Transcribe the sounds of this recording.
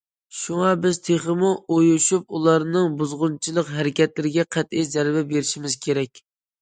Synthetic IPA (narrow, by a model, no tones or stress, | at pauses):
ʃuŋɑbɪz̥t̪ʰeχəmuʔojuʃup̚ulˠɑɾnɨŋbuzʁʊnt͡ʃʰilˠəqɦæɾɪkʲɛt̪lɪɾɪɡʲɛqʰæt̪ɪjzæɾbɛbeɾɪʃimɪz̥kʲʰeɾɛkʲ